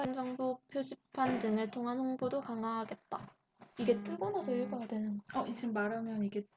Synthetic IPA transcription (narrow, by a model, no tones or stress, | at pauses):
end͡ʑʌŋbopʰjod͡ʑippʰːandɯŋɯɭtʰoŋɦanɸoŋbodokaŋaɦaɡe̞t̚t͈a | iɡe̞t͈ɯɡonasʰʌiɭɡʌɡadwenɯnɡʌʌʔit͡ɕʰimːaɾamjʌniɡe̞